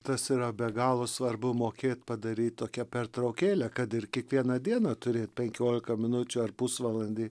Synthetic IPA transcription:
t̪ɐsiːɾɐbʲɛɡɑːlˠoːsʋɐrbʊmoːkʲeːt̪ʲpɐd̪ɐɾʲiːt̪̚ʲt̪oːkʲɛpʲɛrt̪ɾɐʊkʲeːlʲɛkɐt̪ɪrkʲiɛkʋʲiɛnɐd̪ʲiɛnɑt̪ʊɾʲeːt̪̚pʲɛŋʲkʲoːlʲɪkɐmʲɪnʊt͡ʃʲʊɐrpʊsʋɐlˠɐnʲd̪ʲiː

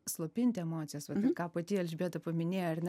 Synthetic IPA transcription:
slˠoːpʲɪnʲt̪ʲeɛmoːt͡sʲɪjoːsʋɐtɐkɑːpɐt̪ʲiɛlʲʒʲbʲeːt̪ɐpɐmʲɪnʲeːjoɐrnʲɛ

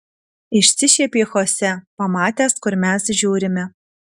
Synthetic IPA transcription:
ɪʃʲsʲɪʃʲeːpʲeːxoːsʲɛpɐmɑːt̪ʲæːskʊɾmʲæsʒʲuːɾʲɪmʲɛ

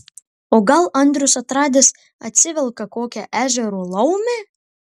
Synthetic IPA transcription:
oːɡɐlˠɐnˑt̪ɾʲʊsɐt̪ɾɑːd̪ʲɪs | ɐt̪ʲsʲɪʋʲɛlˠkɐkoːkʲɛʔæːʒʲɛɾoːlˠɐʊmʲe

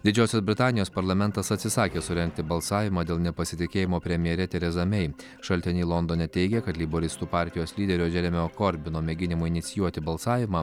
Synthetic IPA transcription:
d̪ʲɪd͡ʒʲɛːʊsʲɛsbʲɾʲɪt̪ɑːnʲɪjoːspɐɾlˠɐmʲɛnt̪ɐsɐt̪ʲsʲɪsɑːkʲeːsʊɾʲɛŋk̚t̪ʲɪbɐlˠsɑːʋʲɪmɑːd̪ʲeːlˠnʲɛpɐsʲɪt̪ʲɪkʲeːjɪmoːpʲɾʲɛmʲɪjɛɾʲɛt̪ʲɛɾʲɛzɐmʲɛɪ | ʃɐlʲt̪ʲɪnʲiːlˠɔnd̪oːnʲɛt̪ʲɛɪɡʲɛkɐt̪lʲiboɾʲɪst̪uːpɑːˑɾʲt̪ʲɪjoːslʲiːd̪ʲɛɾʲoːʒʲɛɾʲɛmʲɛoːkɔɾʲbʲɪnoːmʲeɡʲɪnʲɪmʊɪnʲɪt̪sʲɪjuɔt̪ʲɪbɐlˠsɑːʋʲɪmɐː

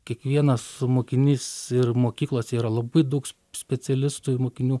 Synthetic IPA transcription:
kʲiɛkʋʲiɛnɐsmoːkʲɪnʲiːsɪrmoːkʲiːklˠoːsʲɛiːɾɐlˠɐbɐɪd̪ɐʊks | sʲpʲɛt͡s̪ʲɛlʲɪst̪uɪmoːkʲɪnʲuː

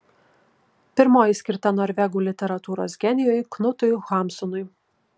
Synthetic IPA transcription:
pʲɪɾmoːjɪsʲkʲɪɾt̪ɐnɔːɾʲʋʲɛɡuːlʲɪt̪ʲɛɾɐt̪uːɾo̰ːsɡʲɛnʲɪjoːjknʊt̪ʊjxɑˑmsʊnʊɪ

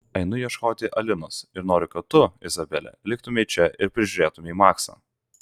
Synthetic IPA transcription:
ɐɪnʊjiɛʃkoːt̪ʲɪʔɐlʲɪnoːsɪɾnoːɾʲɪkɐt̪ʊɪzɐbʲɛlʲɛ̰lʲɪkt̪ʊmʲɛiːt͡ʃʲɛʔɪɾpʲɾʲɪʒʲʊɾʲeːt̪ʊmʲɛiːmɑːksɐ̰ː

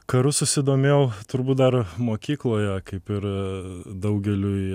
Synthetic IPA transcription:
kɐɾʊsʊsʲɪd̪oːmʲeːʊt̪ʊɾbuːt̪̚d̪ɐrmoːkʲiːklˠoːjɛkɐɪpɪɾ | d̪ɐʊɡʲɛlʲʊ

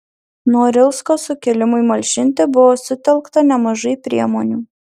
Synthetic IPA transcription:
nuɔɾʲɪlˠskoːsʊkʲɛlʲɪmʊɪmɐlʲʃʲɪnʲt̪ʲebʊʋoːsʊt̪ʲɛlˠkt̪ɐnʲɛmɐʒɐɪpʲɾʲiɛmoːnʲuː

